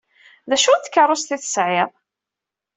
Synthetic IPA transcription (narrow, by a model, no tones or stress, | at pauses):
ðæʃut̪kːərˤːost̪iθə̥sʕɪðˤ